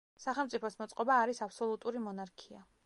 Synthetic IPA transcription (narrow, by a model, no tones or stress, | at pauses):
saχɛlˠmt̪sʼipʰɔsmɔt̪sʼqʼɔbaːɾisapʰsɔlˠut̪ʼuɾimɔnaɾkʰia̰